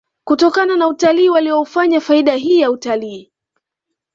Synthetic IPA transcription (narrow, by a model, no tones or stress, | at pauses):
kutɔkananautaliːwaliɔufaɲafaiɗaɦiːjautaliː